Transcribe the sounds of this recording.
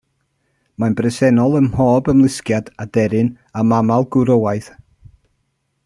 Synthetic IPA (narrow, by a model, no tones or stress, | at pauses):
manbrɛsɛnɔlˠəmhoːbəmlˠɪskjadadɛɾɨn | amamalˠɡʊɾowaɨθ